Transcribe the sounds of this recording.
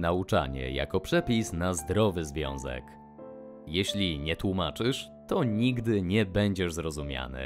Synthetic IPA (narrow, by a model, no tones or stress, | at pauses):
naut͡ʂa̰ɲɛ̰ja̰kɔpʂɛpʲisnazd̪ɾɔvɘzvʲjɔ̰̃w̃zɛ̰k | jeɕlʲiɲɛt̪wumat͡ʂɘʂ | t̪ɔɲiɡd̪ɘɲɛbɛɲd͡ʑɛʐzɾɔzumʲja̰nɘ̰